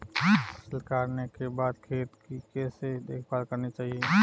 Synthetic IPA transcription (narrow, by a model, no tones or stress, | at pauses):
səlkaːɾnekebaːd̪̚kʰeːt̪kikɛːsed̪eːkʰbaːlkəɾnet͡ʃaːɦie